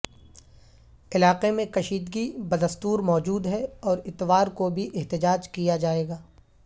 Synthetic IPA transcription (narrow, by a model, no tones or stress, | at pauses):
ɪlaːqemẽkɐʃiːd̪ɡibɐd̪ɐst̪uːɾmɔːd͡ʒuːd̪ɦɛɔːɾɪt̪ʋaːɾkobʱiʔɪɦt̪ɪd͡ʒaːd͡ʒkijad͡ʒaːeːɡaː